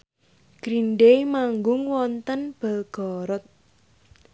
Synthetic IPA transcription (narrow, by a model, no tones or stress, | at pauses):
ɡ̥ɾinɖemaŋɡʊŋwɔnt̪ənb̥ə̤lɡ̥ɔɾɔt̪̚